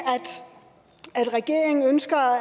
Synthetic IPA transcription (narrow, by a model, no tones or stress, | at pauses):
æd̥ | æd̥ʁɛɡ̥e̝ɐ̰eŋn̩ønsɡ̥ɐ